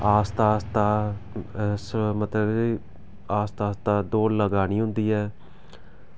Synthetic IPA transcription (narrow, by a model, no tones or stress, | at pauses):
aːst̪aːst̪aː | smət̪ləbiː | aːst̪aːst̪aːd̪oːləɡaːniːɦʊ̃nd̪iːɛː